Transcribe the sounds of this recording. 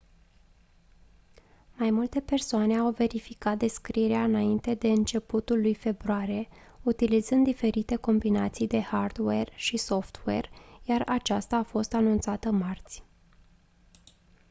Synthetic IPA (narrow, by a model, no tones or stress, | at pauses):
majmult̪e̞pe̞rsoane̞awve̞ɾifikat̪̚d̪e̞skɾieɾeaɨnaint̪e̞d̪e̞ɨnt͡ʃe̞put̪ulːujfe̞bɾoaɾije̞ | ut̪ilizɨnd̪ife̞ɾit̪e̞ko̞mbinat̪sijd̪e̞hard̪werʃiso̞ft̪we̞̰rjarat͡ʃast̪aːfo̞st̪anunt̪sat̪əmart̪sʲ